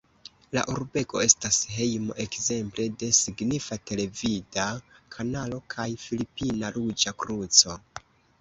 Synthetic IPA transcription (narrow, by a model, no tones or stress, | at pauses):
la̰ʔuɾbe̞ko̞e̞stasɦe̞jmo̞̰ʔe̞kze̞mple̞de̞siɡnifate̞le̞vidakʰanalo̞kʰajfilipinaɾud͡ʒakɾut͡so̞